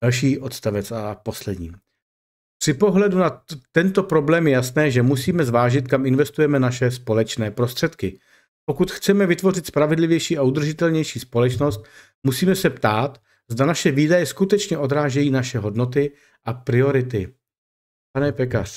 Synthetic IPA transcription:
alʃ̬iːʔot̪st̪avɛt͡sapo̞slɛdɲḭː | pr̝̥ɪpo̞ɦlɛdunat̪ɛnt̪o̞pɾo̞blɛːmjɛjasnɛːʒɛmusiːmɛzvaːʒɪt̪kamɪnvɛst̪ujɛmɛnaʃɛspo̞lɛt͡ʃnɛːpɾo̞st̪r̥ɛt̪kɪ | po̞kut̪xt͡sɛmɛvɪt̪vo̞rɪt̪spɾavɛdlɪvjɛjʃiːaʔud̪r̩ʒɪt̪ɛlɲɛjʃiːspo̞lɛt͡ʃnost̪ | musiːmɛsɛpt̪aːt̪ | zdanaʃɛviːdajɛskut̪ɛt͡ʃɲɛʔo̞d̪ɾaːʒɛjiːnaʃɛɦo̞dno̞t̪ɪ | ʔapɾɪo̞ɾɪt̪ɪ | panɛpɛkar

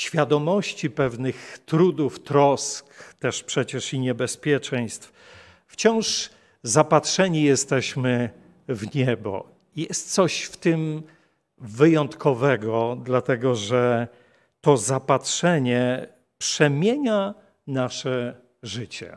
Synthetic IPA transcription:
ɕfʲjad̪ɔmɔɕt͡ɕipɛvnɘxt̪ɾud̪uft̪ɾɔskt̪ɛʂpʂɛt͡ɕɛʂiɲɛbɛspʲjɛt͡ʂɛ̃j̃st̪f | ft͡ɕɔ̃w̃ʂ | zapatʂɛɲijɛst̪ɛɕmɘ | vɲɛbɔ̰ | jɛst̪̚t̪sɔɕft̪ɘm | vɘjɔnt̪kʰɔvɛɡɔd̪lat̪ɛɡɔʐɛ | t̪ɔzapatʂɛɲɛ | pʂɛmʲjeɲa | naʂɛ | ʐɘt͡ɕɛ̰

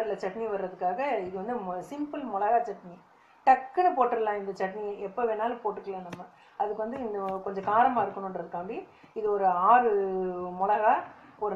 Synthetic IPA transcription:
ɾɪlɐt͡ʃɐʈːɐniʋɐɾɯɾɐðɯkːaːɣɐɪðɯʋɐnd̪ɯsɪmpɐlmɔlɐɣaːt͡ʃɐʈːɐni | ʈɐkːɐnɯpoːʈːɯɾɐlãːɪnd̪ɐt͡ʃɐʈɐniɛpːoʋeːnaːlpoːʈːɯkːɐɭãːnɐmːɐ | ɐðɯkːɯʋɐnd̪ɯɪnɐkɔɲd͡ʒɐkaːɾɐmaːɪɾɯkːɐɳʊ̃ɳɖɾɐðɯkːaːmbiɪðɯɔɾɯaːɾɯmʊɭɐɣaː | ɔɾɯ

